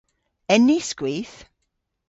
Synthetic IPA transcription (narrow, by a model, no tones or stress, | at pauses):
ɛniskwiːθ